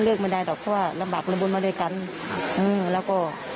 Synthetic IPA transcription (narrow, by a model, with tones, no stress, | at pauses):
lɯː˧˩k̚ma˧˩da˧˩jdɔ˨˩k̚pʰɔ˧˥˩waː˧˩la˧mbaː˨˩k̪̚la˧bu˧˨nmaː˧u˧˩˨jka˧˥˨n | ʔɯː˧˩lɛː˦˧˥wkɔː˧˩